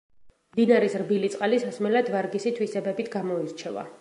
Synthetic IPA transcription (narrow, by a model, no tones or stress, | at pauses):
md̪inaɾɛsɾbilit̪sʼqʼalisasmɛlad̪vaɾɡisit̪ʰwisɛbɛbit̪ʰɡamɔiɾt͡ʃʰɛva̰